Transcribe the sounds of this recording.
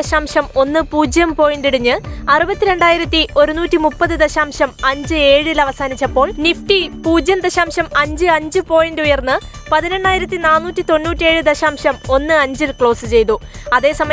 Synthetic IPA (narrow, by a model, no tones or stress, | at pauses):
ɐɕaːmʂɐmo̞nːɨpuːd͡ʑjɐmpo̞ːjindiɽiɲːɨɐrɨbɐt̪ʲːiɾe̞ɳɖaːjiɾɐt̪ːiʔo̞ɾunuːtːimupːɐðɨd̪ɐɕaːmʂɐmɐɲd͡ʑɨe̞ːɻilɐʋɐsaːnit͡ɕːɐpːo̞ːɭnifʈipuːd͡ʑjɐmd̪ɐɕaːmʂɐmɐɲd͡ʑɨɐɲd͡ʑɨpo̞ːjindeujɐrnːɨpɐðine̞ɳːaːjiɾɐt̪ːinaːnːuːtːit̪o̞nːuːtːie̞ːɻɨd̪ɐɕaːmʂɐmo̞nːɨɐɲd͡ʑilkɭo̞ːsɨt͡ɕe̞jt̪̬uɐðe̞ːsɐmɐ